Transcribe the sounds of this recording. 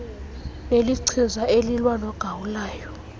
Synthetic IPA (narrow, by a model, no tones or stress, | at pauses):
neliǀʰizaelilwanɔɡ̥ʱawulaːjɔ